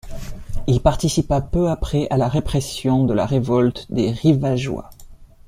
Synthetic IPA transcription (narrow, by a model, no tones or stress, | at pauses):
ilpaʁt̪isipapøapχɛʔalaʁepχɛsjɔ̃d̪əla̰ʁevɔlt̪d̪eʁivaʒwa̰